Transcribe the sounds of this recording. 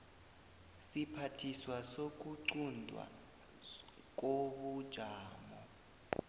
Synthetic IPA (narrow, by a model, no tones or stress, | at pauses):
sipʰatʰiswasok̬ʼuǀundʱwa̰ | k̬ʼoɓud̥ʒ̥ʱaːmɔ